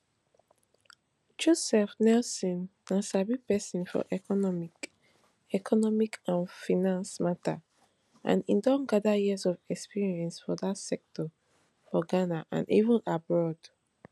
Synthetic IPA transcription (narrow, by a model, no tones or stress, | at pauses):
d͡ʒusɛfnɛlsɔ̃nːãsabipɛsɔ̃nfɔ̰ʔɛkɔnɔmi | ɛkʰɔnɔmikʰãnfinãnsmatʰa̰ | ʔã̰nidɔ̃nɡadajizɔvɛkspiɹiɛ̃nsfɔdatsɛk̚tʰɔ | fɔɡanaʔã̰nḭvũnabɹɔd̥